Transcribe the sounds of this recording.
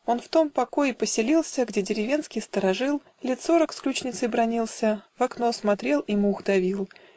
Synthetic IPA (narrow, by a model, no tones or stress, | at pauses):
o̞nft̪o̞mpɐko̞jɪpəsʲɪlʲilˠsʲəɡdʲedʲɪɾʲɪvʲe̞nskʲɪjst̪əɾɐʐɨlˠ | lʲet̪so̞ɾəksklʲut͡ɕnʲɪt̪səjbɾɐnʲilˠsʲəvɐkno̞smɐt̪ɾʲe̞lˠimʊɣd̪ɐvʲilˠ